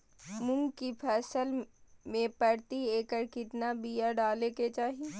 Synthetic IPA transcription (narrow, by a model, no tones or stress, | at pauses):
mʊ̃ŋɡkipʰɛːsəlmẽpɐɾt̪ieːkəɾkɪt̪nabiːjaɖaːleket͡ʃaːɦie